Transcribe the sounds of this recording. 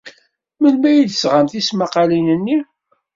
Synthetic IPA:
mənmæjid̪sʁamt̪ismaqɑlinənːi

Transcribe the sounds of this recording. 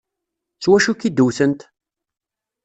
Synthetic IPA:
t͡swæʃukid̪uwθənt̪

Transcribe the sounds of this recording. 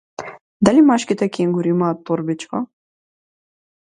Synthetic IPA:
d̪alimaʃkit̪ɛkʲiŋɡuɾiimaːt̪ːɔɾbit͡ʃka

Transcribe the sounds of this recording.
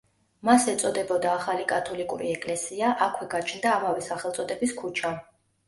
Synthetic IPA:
masɛt̪sʼɔd̪ɛbɔd̪aːχalikʼat̪ʰɔlikʼuɾiɛkʼlɛsiaʔakʰwɛɡat͡ʃʰnd̪aːmavɛsaχɛlˠt̪sʼɔd̪ɛbiskʰut͡ʃʰa

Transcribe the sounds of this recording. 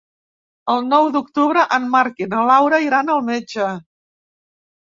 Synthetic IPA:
əlˠnɔwd̪uk̚t̪uβɾəʔənmaɾkinəlawɾəiɾanəlˠmed͡ʒə

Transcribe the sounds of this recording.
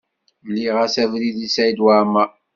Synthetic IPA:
lːiʁæsævliðisæjd̪waʕma

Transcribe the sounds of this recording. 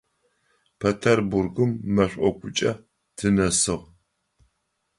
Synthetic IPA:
pʰetʰeɐrburɡɨmːɐɕʷʼɔkʷʰʊt͡ʃʼɐ | tʰɨnɐsɨʁ

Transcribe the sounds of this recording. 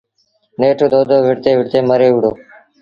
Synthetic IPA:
neːʈʰoːd̪oːd̪ʱoːʋɪɽt̪eːʋɪɽt̪eːməɾeːʊɽoː

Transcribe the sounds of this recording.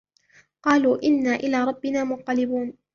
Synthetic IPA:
qɑːluːʔɪnːaːʔɪlaːɾˤɑbːɪnaːmʊq̪ːɑlɪbuːn

